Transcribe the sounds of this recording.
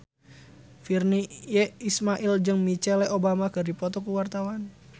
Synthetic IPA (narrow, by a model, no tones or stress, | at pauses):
firnijɛismaʔild͡ʒɨŋmit͡ʃɛlɛʔobamakərdipɔt̪ɔkuwart̪awan